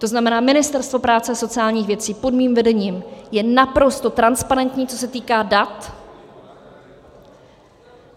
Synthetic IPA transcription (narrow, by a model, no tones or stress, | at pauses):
t̪o̞znamɛnaːmɪnɪst̪ɛɾst̪vo̞pɾaːt͡sɛso̞t͡sɪaːlɲiːxvjɛt͡siːpo̞dmiːmvɛdɛɲiːmjɛnapɾo̞st̪o̞t̪ɾanspaɾɛnt̪ɲiːt͡so̞sɛt̪iːkaːdat̪